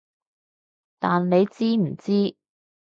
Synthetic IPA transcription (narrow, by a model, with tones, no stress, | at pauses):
t̪aː˨nne˨˧jt͡siː˥m̩˨˩t͡siː˥